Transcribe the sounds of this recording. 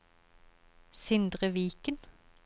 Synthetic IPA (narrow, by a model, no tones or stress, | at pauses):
sɪnd̪ʁəʋiːkən